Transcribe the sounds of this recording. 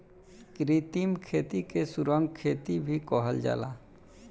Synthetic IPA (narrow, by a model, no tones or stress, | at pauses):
kɾit̪imkʰeːt̪ikesʊɾə̃ŋɡkʰeːt̪ibʱikɔɦəld͡ʒa̰ːlaː